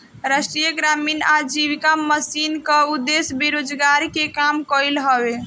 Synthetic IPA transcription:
ɾəsʈɾijəɡɾaminad͡ʒiʋikaməsinkəud̪ːesbiɾod͡ʒɡaɾikekamkɔjlɦəbe

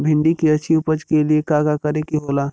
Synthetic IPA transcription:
bʱɪ̃ɳɖikiɐtːt͡ʃʰiʊpəd͡ʒkeliekaːɡakɐɾekiɦoːlaː

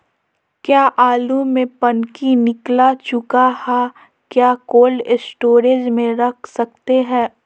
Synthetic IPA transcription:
kjaːʔaːlumẽpɐnkinɪklat͡ʃʊkahɛː | kjaːkoːlɪsʈoːɾeːd͡ʒmẽɾɐkʰsɐk̚t̪eɦɛ̃ː

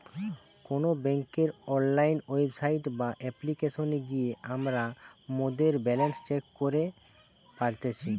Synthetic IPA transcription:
konobɛŋkeɾɔnlajnebsajʈbaʔɛplikeʃoneɡijeʔamɾamod̪eɾbɛlenst͡ɕekːoɾe | paɾt̪et͡ɕʰi

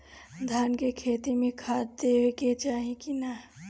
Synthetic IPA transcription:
d̪ʱaːnkekʰeːt̪imẽkʰaːt̪eɦeket͡ʃaːɦĩkina

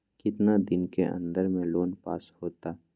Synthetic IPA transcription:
kɪt̪nad̪ɪnkeʔɐ̰̃nd̪əɾmẽloːnpa̰ːshoːt̪aː

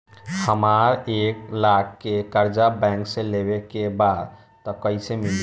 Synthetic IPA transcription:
həmaɾeklakːekəɾd͡ʒabɛ̃ŋksẽlebekebad̪ | t̪ɔkəisemil

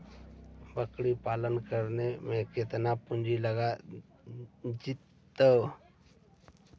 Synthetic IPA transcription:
bəkɽipaːlənkəɾnemẽkɪt̪napʊ̃nd͡ʒiləɡa | d͡ʒit̪ː | ə

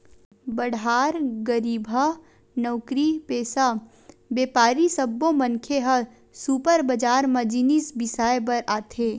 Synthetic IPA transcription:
bɐɽ̤aːɾɡəɾiːbʱə | nɔːkɾipeːsa | beːpaːɾisɐbːõmɐnkʰeɦɐ | suːpəɾbɐd͡ʒaːɾmɐd͡ʒinisbɪsaːjebɐɾaːt̪ʰeː

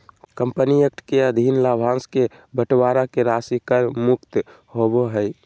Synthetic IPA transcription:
kəmpəniək̚ʈʰkeəd̪ʱiːnlaːbʱãːnske | bəʈwaːɾakeɾasikəɾmʊkt̪ | ɦoboɦəj

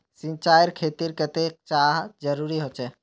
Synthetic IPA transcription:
sĩnt͡ʃaːjəɾkʰeːt̪iɾkət̪ek̚t͡ʃaːɦd͡ʒəɾuɾiɦot͡ʃʰɛ

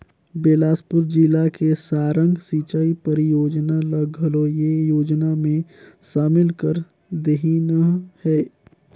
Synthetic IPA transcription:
beːlaːspʊɾd͡ʒilakesaːɾə̃ŋɡsit͡ʃaipəɾjoːd͡ʒnaləɡʱəlojejoːd͡ʒnamẽʃaːmɪlkəɾ | d̪eɦinəhɛː

